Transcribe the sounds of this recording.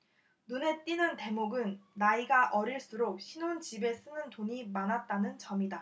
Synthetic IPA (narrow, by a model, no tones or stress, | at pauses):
nune̞t͈inɯnte̞moɡɯnːaiɡaʔʌɾiɭs͈uɾok̚ɕʰinont͡ɕibe̞s͈ɯnɯntoɲimanat̚t͈anɯnt͡ɕʌmida